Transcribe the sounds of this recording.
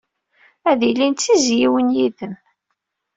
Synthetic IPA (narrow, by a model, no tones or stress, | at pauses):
æðilint̪ːizjiwənjiðəm